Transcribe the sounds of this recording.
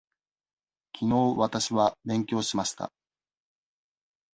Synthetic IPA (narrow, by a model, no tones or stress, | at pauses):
kʲʰino̞ːβat̪aɕiβabẽ̞ŋkʲo̞ːɕimaɕi̥t̪a̰